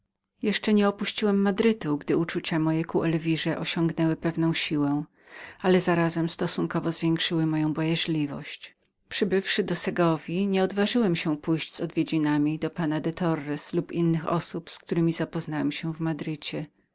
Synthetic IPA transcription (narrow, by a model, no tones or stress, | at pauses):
jɛʂt͡ʂɛɲɛɔpuɕt͡ɕiwɛmːad̪ɾɘt̪uɡd̪ɘut͡ʂut͡ɕamɔjɛkuʔɛlvʲiʐɛʔɔɕɔ̃ŋɡnɛwɘpɛvn̪ɔ̃w̃ɕiwɛ | alɛzaɾazɛmst̪ɔsuŋkɔvɔzvʲjɛŋkʂɘwɘmɔjɔ̃w̃bɔjaʐlʲivɔ̰ɕt͡ɕ | pʂɘbɘfʂɘd̪ɔsɛɡɔvʲiɲɛɔd̪vaʐɘwɛmɕɛpujɕd͡ʑz̥ɔd̪vʲjed͡ʑinamʲid̪ɔpanad̪ɛt̪ʰɔɾːɛslupinːɘxɔ̰supsk̚t̪uɾɘmʲizapɔznawɛmɕɛvmad̪ɾɘt͡ɕɛ